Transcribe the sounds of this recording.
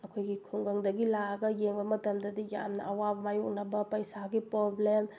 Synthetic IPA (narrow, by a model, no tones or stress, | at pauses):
ɐkʰojɡikʰuŋɡɐŋdɐɡilaɡɐjeŋbɐmɐtɐmdɐdija̰mnɐ̰ɐwabɐmajuk̚nɐbɐpɐjsaɡipɾoblem